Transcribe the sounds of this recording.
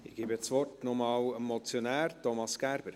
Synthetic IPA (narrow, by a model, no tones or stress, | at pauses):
ɪɡ̥iːbɛt͡sʋɔrtnɔmɑːləmmːɔt͡sjɔnæːɾtɔmɑsɡ̥æɾb̥əɾ